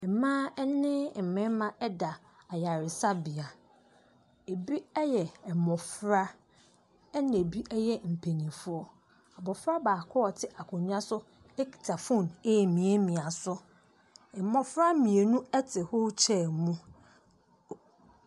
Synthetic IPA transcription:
ɛ˨mãː˦ɛ˦nɪ̃˦m̩˨mɪ̃˦mã˦ʔɛ˦da˨ | a˨ja˨ɾɪ˨sa˦bi˨a˨ | e˨bi˦ɛ˦jɛ˨ɛ˨mɔ̃˨fɾa˦ | ɛ˦nɪ̃˨e˨bi˦ʔɛ˦jɛ˦m̩˨pʰe˨nĩ˨fʊ˦ɔ˦ | a˨bɔ˨fɾa˦baː˨kʰɔ˦ɔ˨tʰɪ˦ʔa˨kʰʊ̃˨ɲ̃˦ã˦sʊ˦ | ɛ˦kʰi̥˨tʰa˨fũ˦˨ne˦˨mĩ˨e˦mĩ˨a˨sʊ˦ | ɛ˨mɔ˨fɾa˦mĩ˨e˨nũ˦ɛ˦tʰɪ˨ho˦t͡ɕʰɛ˦˨mũ˦

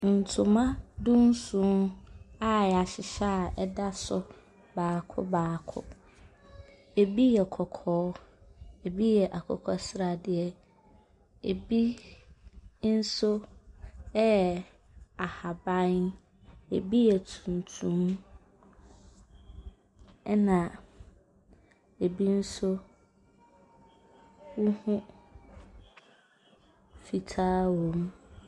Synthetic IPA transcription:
n̩˨tʰũ˨mã˦dũ˦n˦sũ˦na˦ɛ˨a˨ɕɪ˨ɕa˦˨ʔɛ˦da˦sʊ˨ | baː˨kʰʊ̰˦baː˨kʰʊ̰˦ | e˨bi˦jɛ˨kʰɔ˨kʰɔː˦ | e˨bi˦jɛ˨ʔa˨kʰɔ̰˨kʰɔ˨sɾa˨dɪ˨ɛ˨ | ḛ˨bi˦ | n̩˦so˦ | ɛ˦˨ | a˨ha˨bã˦n | e˨bi˦jɛ˨tʰũ˨n˨tʰũ˦m | ɛ˦nã˨ | e˨bi˦n̩˦sʊ˦ | wʊ˦hʊ̃˦ | fi˨tʰaː˦wõ˨m

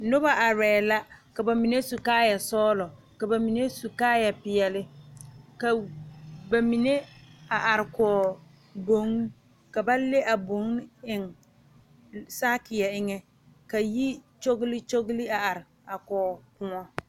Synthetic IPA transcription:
nʊ˦ba˦ʔa˨ɾɛː˨la˦ka˨ba˨mi˨ne˦su˨kaː˦ja˨sɔː˦lɔ˨ | ka˨ba˨mi˨ne˦su˨kaː˦ja˨pɪ˨jɛ˨lɪ˦ka˨ | ba˨mi˨ne˦a˨ʔa˨ɾɪ˨kɔː˨ | bo˨˦ŋ˦ | ka˨ba˦le˦ʔa˨bo˨˦ŋ˦ɪ˨ŋ | saː˦kɪ˨ja˨ɪ˦ŋɛ˦ | ka˨ji˦t͡ʃo˦ɡli˦t͡ʃo˦ɡli˦a˨a˨ɾɪ˨ | a˨kɔː˨kʊ˨ŋɔ˦

